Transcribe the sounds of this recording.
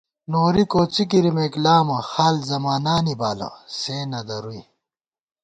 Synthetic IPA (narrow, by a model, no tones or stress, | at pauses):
noːɾikoːt͡sik̬iɾimeklaːmɐxaːlzɐmaːnaːnibaːlɐ̰seːnɐd̪ɐɾui